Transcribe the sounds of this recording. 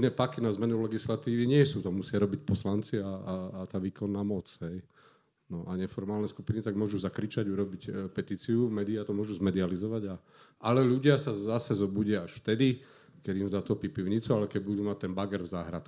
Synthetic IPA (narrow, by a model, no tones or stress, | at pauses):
nɛːpakinazmɛnulɛɡislat̪iːʋiɲɪɛsuːt̪ɔmusɪaɾɔbicpɔslant͡siaaːt̪aːʋiːkɔnːaːmɔt͡sɦɛj | nɔʔaɲɛfɔɾmaːlnɛskupinit̪aɡ̚mʊɔʒuzakɾit͡ʃaɟuɾɔbicpɛt̪iːt͡siumɛd̪iat̪ɔmʊɔʒuzmɛd̪ializɔʋaɟa | alɛʎuɟɪasazasɛzɔbuɟɪaaʃft̪ɛd̪i | kɛd̪imzat̪ɔpipiʊɲit͡sualɛkɛɟ̚bud̪uːmat̚t̪ːɛnbaɡɛɾvzaːɦɾat̪k